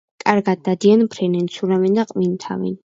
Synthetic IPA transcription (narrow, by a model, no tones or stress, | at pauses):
kʼaɾɡad̪ːad̪ianpʰɾɛnɛnt̪sʰuɾavɛnd̪aqʼmint̪ʰa̰vɛ̰n